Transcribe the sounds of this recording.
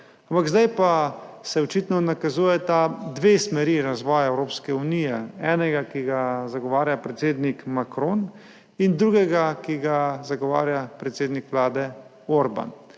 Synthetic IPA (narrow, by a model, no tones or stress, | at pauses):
ampaɡzd̪ajpasɛɔt͡ʃit̪nɔnakazuːjɛt̪ad̪ʋeːsmɛɾiːɾazʋɔːjaɛwɾoːpskɛuniːjɛɛːnɛɡakiɡazaɡɔʋaːɾjapɾɛt̪seːd̪nikmakɾon | ind̪ɾuːɡɛɡakiɡazaɡɔʋa̰ːɾjapɾɛt̪seːd̪nikʋlaːd̪ɛ | oɾba̰n